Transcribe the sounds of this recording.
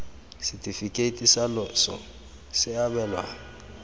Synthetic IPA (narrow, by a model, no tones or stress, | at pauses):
sitʼifikʼetʼisalɔsɔ̰ | sɪabɛlwa̰ːŋ̩